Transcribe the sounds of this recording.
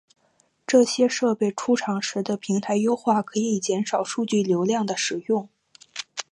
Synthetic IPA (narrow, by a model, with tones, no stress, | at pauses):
ʈ͡ʂɤ˥˩ɕjɛ˥ʂɤ˥˧pe˥˩ɪʈ͡ʂʰu˥ʈ͡ʂʰɑ˧˥ŋʂɻ̩˧˥d̪ə˧pʰi˧˥ŋt̪ʰa˧˥ɪjo˥ʊxwa˥˩kʰɤ˧˥˧i˨˩t͡ɕjɛ˧˥nʂɑ˨˩ʊʂu˥˧t͡ɕy˥˩ljo˧˥ʊljɑ˥˩ŋd̪ə˩ʂɻ̩˨˩jʊ˥˩ŋ